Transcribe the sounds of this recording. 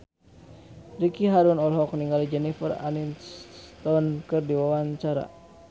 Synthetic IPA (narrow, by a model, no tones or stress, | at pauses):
ɾikiɦaɾunɔlɦɔk̚niŋɡalid͡ʒɛnifəra̰ninst̪ɔnkɨrdiwawaɲt͡ʃaɾa̰